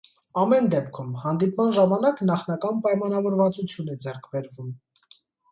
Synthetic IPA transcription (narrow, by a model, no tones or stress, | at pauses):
ɑmɛnd̪ɛpkʰumhɑnd̪ipmɑnʒɑmɑnɑknɑχnɑkɑnpɑjmɑnɑvɔɾvɑt͡sut͡sʰjunɛd͡zɛrkʰbɛɾvum